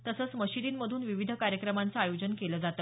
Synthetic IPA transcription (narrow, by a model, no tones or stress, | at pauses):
t̪əsəːt͡sməɕid̪iːnməd̪ʱuːnʋiʋid̪ʱəkaɾjəkɾəmant͡səajod͡ʑənkeləd͡zat̪ə